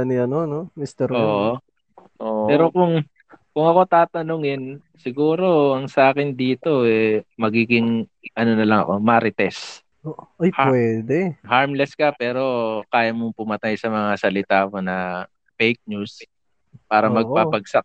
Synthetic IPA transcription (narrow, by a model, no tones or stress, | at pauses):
ɐniɐnonomist̪ɛɾoːʔo | ʔoːʔpɛːɾo̞kʊŋ | kʊŋɐko̞t̪aːt̪ɐnʊŋɪn | sɪɡuːɾo̞ɐŋsɐʔaːkɪnd̪iːt̪o̞ɛmɐɡiːɡɪŋ | ʔɐno̞nɐlɐŋɐ̰ko̞mɐʔɾɪt̪ɛs | oʔʔɐjhwɛd̪ɛhaɹmlɛskɐpɛːɾo̞kaːjɐmoŋpʊmɐt̪ajsɐmɐŋasɐlɪt̪aːkonɐ | fejk̚nus | paːɾɐmɐɡ̚papɐɡ̚sak̚